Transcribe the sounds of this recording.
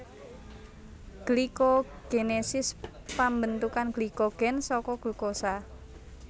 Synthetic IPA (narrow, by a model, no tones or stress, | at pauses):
ɡ̥likoɡ̥enesɪs | pambənt̪ukanɡ̥likoɡ̥ɛnsɔkɔɡ̥ṳkosa